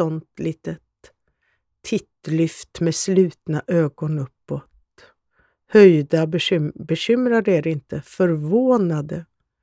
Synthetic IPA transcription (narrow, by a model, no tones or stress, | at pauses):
ɔnt̪liːt̪ə | t̪ʰːɪt̪lʏft̪meːslʉ̟ːt̪naʔøːɡɔnɵpːɔt̪ | hœjd̪abɛɕʏmɾaɾeɾɪnt̪əfœɾvoːnad̪ə